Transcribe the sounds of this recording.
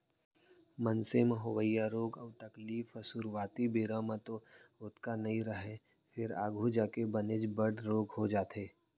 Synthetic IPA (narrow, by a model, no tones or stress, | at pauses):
mənsemɦʊʋəjaɾoːɡəʊt̪ɐkliːfəsuɾwaːt̪ibiːɾãmãt̪oʊt̪kanɐɦĩɾɐɦe | fʰɪɾaːɡʱud͡ʒaːkebɐned͡ʒbəɽɾoːɡɦod͡ʒaːt̪eː